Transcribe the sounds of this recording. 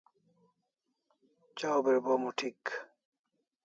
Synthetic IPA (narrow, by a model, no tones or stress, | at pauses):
t͡ɕawbeɾbomuʈʰik